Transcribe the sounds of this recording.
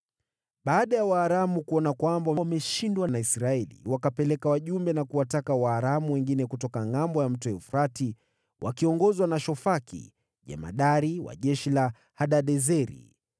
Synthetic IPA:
ɓaːɗajawaːɾamukuɔnakwambawwmɛʃindwanaisɾaɛlḭwakapɛlɛkawaʄumbɛnakuwatakawaːɾamuwɛŋɡinɛkutɔkaŋambɔjam̩tɔɛufɾati | wʔa̰kiɔŋɡɔzwanaʃɔfakḭ | ʄɛ̰ma̰ɗaɾiwa̰ʄɛʃila | haɗaɗɛzɛɾḭ

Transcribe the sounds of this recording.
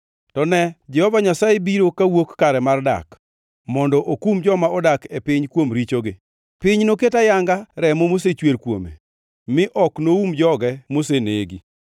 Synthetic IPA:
tɔnɛd͡ʒɛhɔvaɲasajebiɾokawokːaɾɛmarda̰k | mɔndɔʔokumd͡ʒɔmaɔdakepɪɲkwomɾit͡ʃoɡɪ | pɪɲnoketajaŋɡaɾɛmomos̬et͡ʃweɾkwo̰mḛ | mɪʔɔknoumd͡ʒɔɡɛmoseneɡi

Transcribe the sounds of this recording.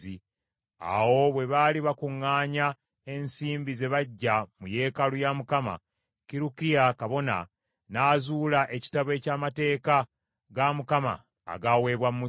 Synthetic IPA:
i | a̰wo̞βwe̞βaliβakuŋːaːɲa | e̞nsiːmbize̞βaɟːamuje̞ːkalujamukama̰ | kiɾukijakaβo̞na̰ | naːzuːlaʔe̞ci̥taβwe̞ːcaːmate̞ːka | ɡamukama̰ː | ɡawe̞ːβwammu

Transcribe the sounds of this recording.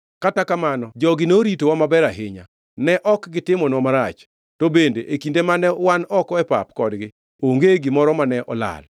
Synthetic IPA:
katakamanɔd͡ʒɔɡɪneoɾitowamabɛɾaɦɪɲa̰ | nɛʔɔkɡɪtɪmɔnɔmaɾat͡ʃ | tobendeʔekindemanɛwanɔkɔɛpa̰pkɔdɡɪ | oŋɡeɡɪmɔɾɔmanɛʔɔla̰l

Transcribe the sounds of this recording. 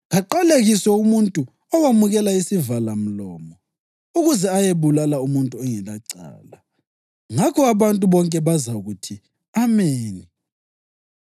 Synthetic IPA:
ɣaǃaleɣisɛumuntʼu | ɔwamuɣɛlaisivalam̩lɔːmɔ | uɣuzɛajeβulalaumuntʼuɛŋɛlaǀa̰ːla | ŋakʰɔaβantʼuβɔŋkʼɛβazaɣutʰi | ameːni

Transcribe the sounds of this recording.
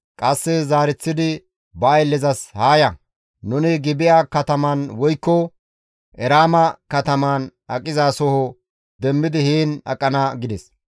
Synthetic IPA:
kʼɐsːɛzaːɾɛt͡sːɪd̪ɪ | bɐːjlːɛzɐshaːjɐ | nʊnɪɡɪbɪjaːkɐt̪ɐmɐnwɔjkːɔ | ʔɛɾaːmɐkɐt̪ɐmanɐkʼːɪzaːsɔhɔ | d̪ɛmːɪd̪ɪhiːnɐ̰kʼːɐnaɡɪd̪ɛs

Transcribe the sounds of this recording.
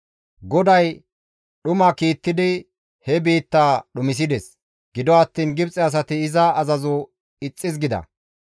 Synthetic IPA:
ɡɔd̪ɐj | ɗʊmɐkiːt̪ːɪd̪ɪ | hɛbiːt̪ːaːɗʊmɪs̬ɪd̪ɛs | ɡ̥ɪd̪ɔɐt̪ːiːnɡɪbt͡sʼɛɐs̬ɐt̪ɪːzɐːzɐzɔ | ɪt͡sʼːɪzɡɪd̪ɐ̰

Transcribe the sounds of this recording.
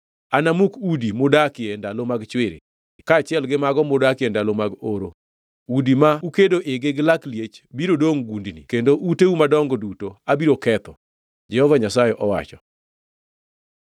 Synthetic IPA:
anamukudimʊdakɪɛndalomaɡt͡ʃwɪɾɪ̰ | kaːt͡ʃɪɛlɡɪmaɡɔmʊdakɪɛndalomaɡoɾo | udimaukedoʔeɡɪɡlakljet͡ʃbiɾodoŋɡundnikendoʔuteumadɔŋɡɔdutoabiɾokɛt̪ɔ | d͡ʒɛhɔvaɲasajɛʔɔwa̰t͡ʃɔ

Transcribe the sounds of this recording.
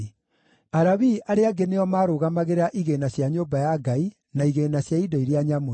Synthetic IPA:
aɾaβiʔaɾeaɡeneɔmaːɾoɣamaɣeɾaʔiɣenaɕjaɲoːbajaɡai | naiɣenaɕjaidɔiɾjaɲamo

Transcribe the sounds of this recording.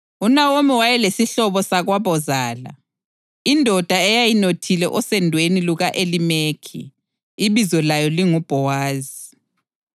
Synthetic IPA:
unawomiwajɛlesiɬɔβɔsaɣwaβɔzaːla̰ | indʱɔd̥ʱaɛjajinotʰilɛʔɔsɛndʱweniluɣaʔelimeːkʰḭː | βizɔlajɔliŋub̥ʱɔwaːzi

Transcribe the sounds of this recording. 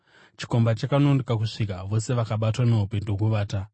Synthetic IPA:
t͡ʃi̥ko̞mbat͡ʃakanondekakuʂikaʋo̞se̞ʋakaɓatwane̞ɦupendoɦuʋaːta

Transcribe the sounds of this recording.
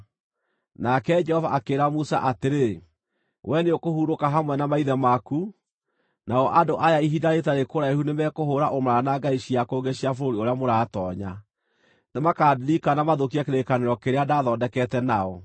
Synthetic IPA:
nakɛd͡ʒɛhɔvaʔakeːɾamusa̰ʔateɾe | wɛneokohuɾokaɦamwɛnamaiðɛmaku | naɔʔadoʔajaiɦidaɾetaɾekoɾaehunemɛkoɦoːɾaʔomaanaɡaiɕiakoːɡeɕiafoɾoɾioɾeamoɾaːtɔːɲa | nemakaːdiɾikanamaðokiakeɾekaneɾɔkeɾeadaðɔːdɛkɛtɛnaɔ

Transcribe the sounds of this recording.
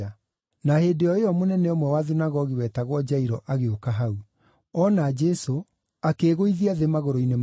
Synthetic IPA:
a | nahedeɔeɔmonɛneomwɛwaðinaɣɔɣiwɛtaɣwɔd͡ʑaiɾɔʔaɣeokaɦau | ɔnad͡ʒɛso | akeɣoiðiaðemaɣoɾoinem

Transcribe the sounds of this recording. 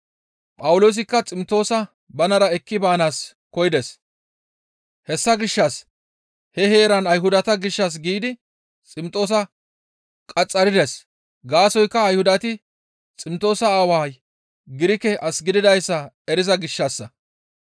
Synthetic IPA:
pʼɐwʊlo̞ːs̬ɪkːɐt͡sʼɪmt̪o̞ːsɐ | bɐnɐɾɐɛkːɪbaːnaːs | kɔjɪd̪ɛs | hɛsːɐɡɪʃːɐs | hɛhe̞ːɾɐnɐjɦʊd̪ɐt̪ɐɡɪʃːɐs̬ɡiːd̪ɪ | t͡sʼɪmt̪ʼo̞ːs̬ɐ | kʼɐt͡sʼːɐɾɪd̪ɛs | ɡaːsɔjkːɐːjhʊd̪ɐt̪ɪ | t͡sʼɪmt̪ʼo̞ːsɐaːwaːj | ɡɪɾɪkɛʔɐsɡɪd̪ɪd̪ɐjsːɐ | ɛɾɪzɐɡɪʃːɐsːɐ

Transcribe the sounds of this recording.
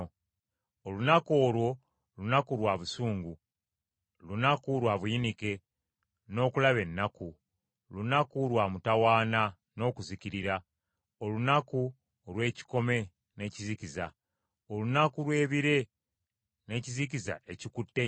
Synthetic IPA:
olunako̞ːlwo̞ | lunakulwaːβusuːŋɡu | lunakulwaβujinike̞ | no̞ːkulaβe̞nːaku | lunakulwaːmutawaːna | no̞ːkuziciɾiɾa | olunaku | lwe̞ːci̥ko̞me̞ | ne̞ːciziciza | olunakuɾwe̞ːβiɾe̞ | ne̞ːciziciza̰ecikutːe

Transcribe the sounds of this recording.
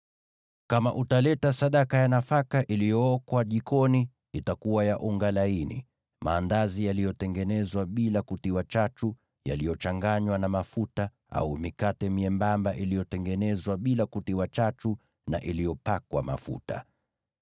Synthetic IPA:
kama̰ʔutalɛtasaɗakajanafakaʔilijɔɔkwaʄikʰɔni | itakuwajaʔuŋɡalainḭ | ma̰ːndazijalijɔtɛŋɡɛnɛzwaɓilakutiwat͡ʃat͡ʃu | ja̰lijɔt͡ʃaŋɡaɲwanamafuta | a̰umikatɛmiɛmbambaʔilijɔtɛŋɡɛnɛzwaɓilakutiwat͡ʃat͡ʃu | naʔilijɔpakwa̰ma̰fṵta̰

